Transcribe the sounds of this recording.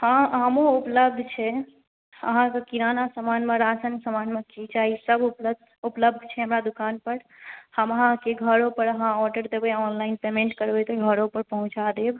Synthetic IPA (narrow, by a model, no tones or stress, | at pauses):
hãɦəmoupləb̚d̪ʱt͡ʃʰɛ | ə̰ɦãkekiɾanasəmanmeɾasənsəmanmekit͡ʃaɦisəbp̪ | upləb̚d̪ʱt͡ʃʰɛɦəmɾad̪ukanpəɾ | həməɦãkeɡʱəɾopəɾəɦãɔɖəɾd̪ebɛɔnlaɪinpemẽɳʈkəɾbɛt̪ɔɡʱəɾopəɾpəɦũt͡ʃad̪eb